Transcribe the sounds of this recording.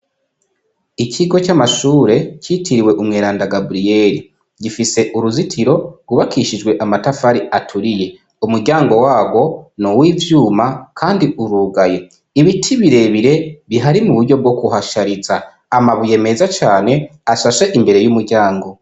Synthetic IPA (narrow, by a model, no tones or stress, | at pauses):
icʰiɡo̞t͡ʃamaʃuːɾe̞citʰiɾiweʔumŋeːɾaːndaɡabɾije̞ɾi | ɟifise̞ʔuɾuzitʰiɾo̞ɡuβakʰiʃid͡ʒwe̞ʔamatafaɾiatʰuɾije̞ | umuɾɟaːŋɡo̞waːɡwo̞nowiːvjuːmakʰaːndiʔuɾuːɡaje̞ | iβitʰiβiɾe̞βiɾe̞βiɦaɾimuβuɾɟo̞b̚ɡo̞kuɦaʃaɾiza | amaβuje̞me̞zat͡ʃaːne̞aʃaʃe̞ʔimbe̞ɾe̞jumuɾɟaːŋɡo̞